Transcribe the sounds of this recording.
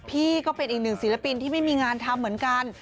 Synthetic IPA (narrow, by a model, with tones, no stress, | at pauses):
pʰiː˥˩kɔː˥˩pe˧nʔiː˨˩k̚nɯ˨˩ŋsiː˩˦˥la˧pi˧nt̪ʰiː˥˩ma˥˩jmiː˧ŋaː˧nt̪ʰa˧mːɯ˩˦ənka˧n